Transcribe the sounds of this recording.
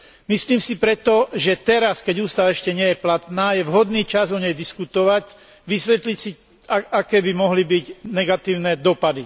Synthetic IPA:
misliːmsipɾɛt̪ɔʒɛt̪ɛɾaskɛɟuːst̪aʋaɛʃcɛɲɪɛjɛplat̪naːjɛʋɦɔd̪niːt͡ʃazɔɲɛjd̪iskut̪ɔʋac | ʋisʋɛt̪licsi | aakɛːbimɔɦlibiɟnɛɡat̪iːʊnɛd̪ɔpad̪i

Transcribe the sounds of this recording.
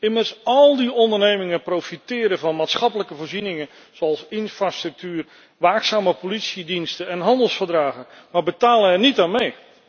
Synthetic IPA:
ɪmərsɑlˠdiɔndərnejmɪŋəprowfitɪːɾəvɑnmaːtsχɑpələkəvoːɹrzinɪŋə | z̥oɑlˠsɪnfraːstrɵk̚tyːr | ʋaːksaːməpolitsidinstəɛnɦɑndəlˠsfərdraːɣə | maːɹbətaːlənɛrɹnitaːnmej

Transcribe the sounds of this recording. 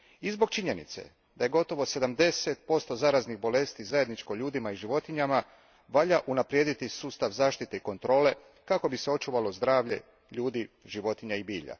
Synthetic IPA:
izbo̞ɡ̚t͡ʃiɲe̞nḭt̪sḛ | d̪aje̞ɡo̞t̪o̞ʋo̞se̞d̪amd̪e̞se̞t̪̚po̞st̪o̞zaɾazniɣbo̞le̞st̪izaje̞d̪nit͡ʃko̞ʎuːd̪imaiʒiʋo̞t̪iɲama | ʋaʎaʔunapɾje̞ːd̪it̪isuːst̪aʋzaːʃt̪it̪eiko̞nt̪ɾo̞ːle̞ | kako̞biseo̞t͡ʃuːʋalo̞zd̪ɾaːʋʎe̞̰ | ʎuːd̪iʒiʋo̞t̪iɲaibiːʎa̰

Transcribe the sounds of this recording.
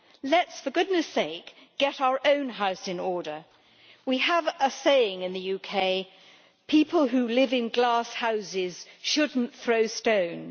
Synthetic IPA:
lɨtsfə˞ɡʊdⁿnɨseɪk | ɡ̥ɛɾaʊə˞ʔõʊ̃nɦaʊsɨ̃nɔɹɾə˞ | wiəvəseɪɪ̃ŋɨ̃nðɨjʉkʰeɪ | pʰipʰəlˠɦʉlɪvɪ̃nɡlɑshaʊzɪz̥ʃʊdⁿn̩θɹoʊstõʊ̃n

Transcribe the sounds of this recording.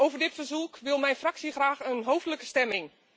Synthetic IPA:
owvərdɪtfərzukʋɪlˠmɛjnfraksixraːxənɦowftləkəstɛmɪŋ

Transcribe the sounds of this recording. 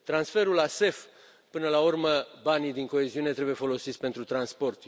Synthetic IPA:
t̪ɾansfe̞ɾulase̞f | pɨnəlaurməbanid̪iŋko̞e̞ziune̞t̪ɾe̞buje̞fo̞lo̞sit̪sʲpe̞nt̪ɾut̪ɾanspo̞rt̪

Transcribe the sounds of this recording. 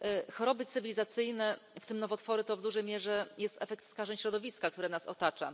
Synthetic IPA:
xɔɾɔbɘt̪sɘvʲilʲizat̪sɘjnɛft̪ɘmnɔvɔt̪fɔɾɘt̪ɔvd̪uʐɛjmʲjɛʐɛjɛst̪ɛ̰fɛk̚t̪skaʐɛɲɕɾɔd̪ɔvʲiskak̚t̪uɾɛnasɔ̰t̪at͡ʂa̰

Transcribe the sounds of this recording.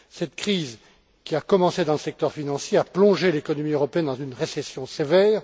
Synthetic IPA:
sɛt̪kχiz | kʲiakɔmɑ̃sed̪ɑ̃ləsɛk̚t̪œʁfinɑ̃sjeaplɔ̃ʒelekɔnɔmiøʁɔpeɛnd̪ɑ̃zynʁesɛsjɔ̃sevɛːʁ

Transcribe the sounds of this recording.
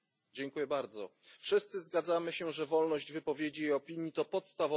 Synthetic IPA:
d͡ʑɛŋkujɛbaɾd̪zɔ̰fʂɘst̪sɘzɡad̪zamɘɕɛʐɛvɔlnɔʑd͡ʑvɘpɔvʲjed͡ʑijejɔpʲiɲjit̪ɔpɔt̪st̪avɔ

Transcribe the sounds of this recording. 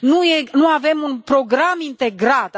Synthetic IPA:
nujenuave̞munpɾo̞ɡɾamint̪e̞ɡɾat̪

